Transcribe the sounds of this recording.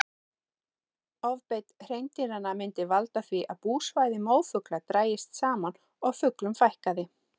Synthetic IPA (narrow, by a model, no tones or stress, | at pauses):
ɔvpejt̪r̥ejnt̪ɪɾanːamɪnt̪ɪvalt̪aθviʔaðpuːsvaːjðɪmoːwfʏklat̪ɾaːjɪst̪saːman | ɔɣfʏklʏmfajhkaðɪ